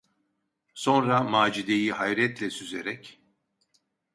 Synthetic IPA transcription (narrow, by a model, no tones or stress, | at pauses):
so̞nɾamaːd͡ʒid̪ejihajɾɛt̪lʲɛsyzeɾɛc